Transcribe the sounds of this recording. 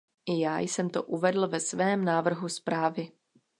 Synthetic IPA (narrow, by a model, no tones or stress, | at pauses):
ʔɪjaːjsɛmt̪oʔuvɛdl̩vɛsvɛːmnaːvr̩ɦuspɾaːvɪ